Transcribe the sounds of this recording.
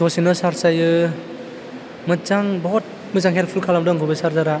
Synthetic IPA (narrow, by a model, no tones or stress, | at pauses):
sɔsinɯsaɾsajɯ | mɯzaŋbɔɔt̚ | mɯzaŋɦelpʰulkʰalamdɔŋkʰɯbɯsaɾzaɾa